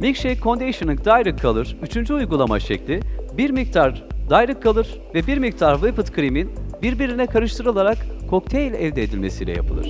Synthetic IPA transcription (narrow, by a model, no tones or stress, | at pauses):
micʃejkʰo̞nd̪ejʃɯnɯk̚d̪ajɾɯkʰːalˠɯɾ̥yt͡ʃʰynd͡ʒyujɡulˠama̰ʃɛclʲibiɾmik̚t̪ʰaɾd̪ajɾɯkʰːalˠɯɾ̥ | vɛbiɾmik̚t̪ʰaɾvɯpɯt̪kʰɾiminbiɾbiɾinɛkʰaɾɯʃt̪ʰɯɾɯlˠaɾakkʰːo̞k̚t̪ʰejlʲɛ̰lʲd̪ɛd̪ilʲme̞sijlʲɛ̰ja̰pʰɯlˠɯ̰ɾ̝̥